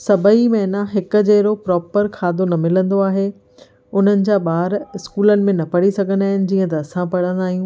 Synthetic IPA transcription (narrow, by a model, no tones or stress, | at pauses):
sɐbʱəimɐɦnaɦɪkʊ̆d͡ʑeːɾopɾɔːpəɾkʰaːd̪onɐmɪlə̃nd̪oaːɦe | ʊn̤ənɪ̆d͡ʑaːɓaːɾɪskuːlənɪ̆mẽnɐpɐɽisɐɡʱə̃nd̪aːɦɪnɪ̆d͡ʑiːə̃t̪ɐːsãpɐɽ̤ə̃nd̪aːɦijũː